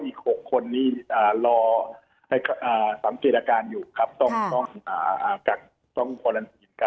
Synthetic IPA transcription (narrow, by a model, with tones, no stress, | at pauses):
ʔiː˨˩k̚ho˨˩kʰːo˧nːiː˥˩ʔaː˨˩lɔː˧ | a˧˩jkʰʔaː˨˩sa˨˦ŋkeː˨˩t̪̚aː˧kaː˧njuː˨˩kʰa˦˥p̚t̪ɔ˥˩ŋt̪ɔ˥˩ŋʔaː˨˩aː˨˩ka˨˩k̚ | t̪ɔ˥˩ŋkkʰo˧na˧niː˨˩n˧kʰa˦˥